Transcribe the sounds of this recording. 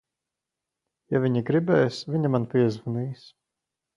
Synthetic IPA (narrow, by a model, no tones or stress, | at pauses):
javʲiɲiɡɾibɛːjsvʲiɲamanpʲiɛzvuniːs